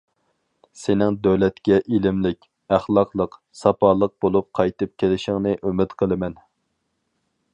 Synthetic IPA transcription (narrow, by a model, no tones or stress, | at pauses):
sɪnɪŋd̪øwlɛt̪kʲɛʔilɪmlɪkʲ | æχlˠɑqlˠəq | sɑpʰɑːlˠəq̚bolˠup̚qʰɑjt̪ɨp̚kʲʰelɪʃɪŋnɨʔymɪt̪qʰəlˠɨmɛn